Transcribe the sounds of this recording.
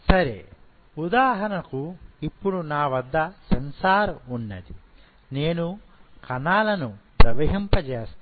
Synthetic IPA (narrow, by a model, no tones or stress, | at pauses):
sɐɾḛ | ud̪aːɦɐnɐkuipːuɽunaːʋɐd̪ːɐsɐnsaːɾunːɐ̰d̪i | neːnu | kɐnaːlɐnupɾɐʋɐɦimpɐd͡ʒeːst̪